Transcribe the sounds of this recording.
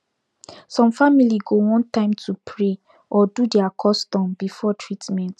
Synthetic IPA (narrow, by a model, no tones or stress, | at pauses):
sɔ̃mfamiliɡowɔ̃ntãɪ̃mtʰupʰɹe | ʔɔdudɛakʰɔstɔ̃mbifɔtʰɹitmɛ̃nt